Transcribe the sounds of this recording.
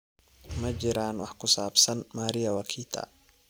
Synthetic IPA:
mɐt͡ʃɪɾaːnwɑħkʰʊsaːbsɐnmaːɾɪjɐwɑkʰiːt̪ʰɐ̰

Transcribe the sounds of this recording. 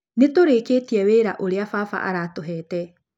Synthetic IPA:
netoɾeːketiɛweːɾaʔoɾeafafa̰ʔa̰ɾatoɦɛːtɛ

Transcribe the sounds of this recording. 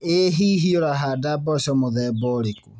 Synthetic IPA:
eɦiɦioɾaɦadabɔsɔmoðɛbɔɾeku

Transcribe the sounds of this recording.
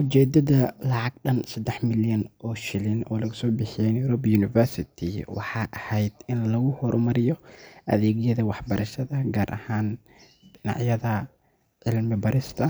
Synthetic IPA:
ʔʊt͡ʃɛːd̪ɐðɐlɑʕɑɡ̚ɗɐnsɐd̪ɛħmɪljɐnʔɔːʃɪlɪnɔ̰ːlɐɣʊsɔːbɪħɪjɛjnjʊɾɔbjuːnɪfɛrsɪt̪ʰɪwɑ̰ħɑːʔɐhɛjd̪̥ɪnlɐɣʊhɔɾʔʊmɐɾɪjɔʔɐ̰ðɛːɣjɐðɐwɑħbɐɾʔɐʃɐðɐɡaːɾʔɐ̰haːn | ɖɪnɑ̰ʕjɐðɐ | ʕɪlmɪbɐɾɪst̪ʰɐ

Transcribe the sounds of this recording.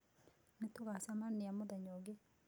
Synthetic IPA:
netoɣasamaniamoðaɲɔɡe

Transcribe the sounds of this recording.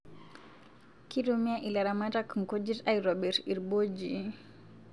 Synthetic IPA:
kiɾumiaʔilaɾamatakŋ̩kɔd͡ʒitaiɾɔbɛɾiɾbɔd͡ʒi

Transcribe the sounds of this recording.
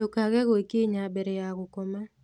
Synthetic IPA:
okaɣɛɣɔekeɲabɛɾɛjaɣʊkoma

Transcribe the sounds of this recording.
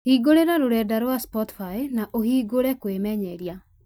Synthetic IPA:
hiːɡoɾeɾaɾoɾɛdaɾwaspɔti̥faenaʔohiːɡoɾɛkwemɛɲɛɾja

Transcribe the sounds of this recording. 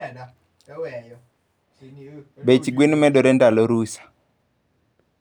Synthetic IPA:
bet͡ʃɡwinmɛɗɔɾɛndalɔɾusḁ

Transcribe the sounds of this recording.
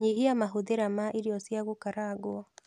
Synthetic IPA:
ɲiɦiamaɦuðeɾamaʔiɾiɔsjaɣokaɾaɡwɔ

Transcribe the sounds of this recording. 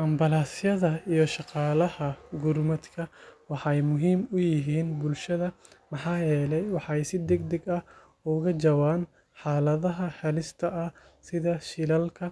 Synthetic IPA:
ʔɐmbɐlaːsjɐðɐijɞʃɑqɑːlɐhɐɡʊrmɐd̪kʰɐwɑħɑjmʊɦiːmʊjɪɦiːnbʊlʃɐðɐmɑħɑːjɛːlɛjwɑħɛjsɪd̪ɛɡd̪ɛɡɐh | ʊɣɐd͡ʒɐwaːn | ħɑːlɐðɐɦɐħɛlɪst̪ʰɐɐ | sɪðɐʃɪlɐlkʰɐ

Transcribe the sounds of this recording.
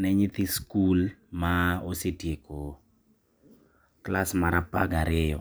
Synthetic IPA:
nɛɲit̪ɪskulmaosetjeko | klasmaɾapa̰ɡaɾɪjɔ

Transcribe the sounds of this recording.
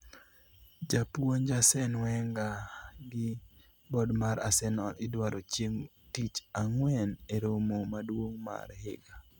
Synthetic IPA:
d͡ʒapuond͡ʒasɛnwɛŋɡaɡɪ | bɔdmaɾasɛnɔɪdwaɾʔot͡ʃjeŋ | tit͡ʃaŋwɛneɾomomadwoŋma̰ɾhɪɡa

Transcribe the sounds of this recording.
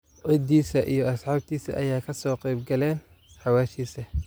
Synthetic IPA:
ʔɔd̪iːsɐʔḭjɞɐsħɑːb̚t̪ʰiːsɐ̰ʔɐjaːkʰɐsɔːqɛjbɡɐlɛːn | ħɑwaːʃiːsɐ

